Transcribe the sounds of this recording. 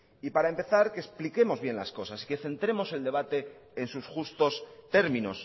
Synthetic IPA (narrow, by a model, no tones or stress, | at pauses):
ipaɾaempe̞θaɾke̞splike̞mo̞zβje̞nla̰sko̞sasi̥ke̞θe̞nt̪ɾe̞mo̞se̞ld̪e̞β̞at̪e̞ː | nsusxust̪o̞st̪e̞ɾmĩno̞s